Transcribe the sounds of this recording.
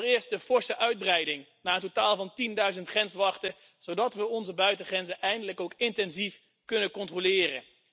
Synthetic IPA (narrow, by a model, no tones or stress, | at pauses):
rɪːɹstdəv̥ɔɹsəʔœɥd̚brɛjdɪŋnaːəntotaːlˠvɑntindœɥzəntχrɛnsʋɑχtə | z̥owdɑtʋəɔnzəbœɥtəχrɛnzəʔɛjndələkowkɪntɛnzif | kɵnəkɔntrolɪːrə̰